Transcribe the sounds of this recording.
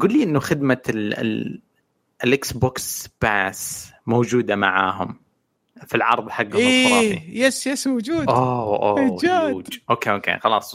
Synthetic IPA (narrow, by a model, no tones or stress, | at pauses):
ɡuːlːiʔɪnːuxɪd̪ma | ʔɪlʔɪksboːksb̥asmowd͡ʒuːd̪ama̰ʕa̰ːɦʊ̰m | filʕɑ̰ɾˤðˤħaɡːiːˤḭjɛsjɛsmwd͡ʒuːdʔowʔoad͡ʒaːd̪d͡ʒʔoːkeːʔoːkḛːxɑlɑːsˤ